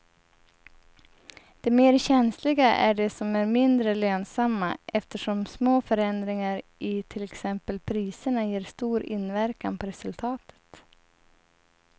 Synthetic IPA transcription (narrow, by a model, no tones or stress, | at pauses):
d̪̥ɛmeːɾɕɛnslɪɡaʔæ̰ɖɛsɔmæɾmɪnd̪ɾəløːnsamːaʔɛft̪əʂɔmsmoːfœɾɛnd̪ɾɪŋaɾɪt̪ʰɪlɛksɛmpəlpʰɾiːsəɳajeːɾst̪uːɾɪ̰nvæɾkanpʰɔɾɛsɵlt̪ʰɑːt̪ʰə̥t̪